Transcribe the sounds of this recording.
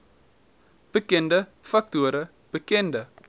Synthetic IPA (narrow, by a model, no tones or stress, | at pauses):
b̥əkɛndəfɐk̚tuəɾə | b̥əkɛndə